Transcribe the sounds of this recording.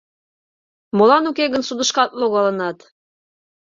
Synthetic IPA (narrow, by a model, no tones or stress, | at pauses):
molˠɑnukeɡə̆nsud̪ɤ̆ʃkɑt̪̚lˠoɣɑlˠɤ̆nɑt̪